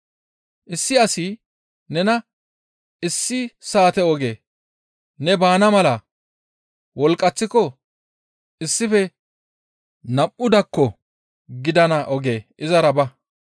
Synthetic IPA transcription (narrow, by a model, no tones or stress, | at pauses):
ʔɪsːɪɐsi | nɛnɐ | ɪsːɪsaːt̪ɛɔɡe̞ː | nɛbaːnɐmɐlɐ | wɔlkʼːɐt͡sːɪkɔ | ɪsːɪfɛ | nɐpʼːʊd̪ɐkːɔ | ɡɪd̪ɐnɐʔɔɡe̞ːʔɪzɐɾɐbɐ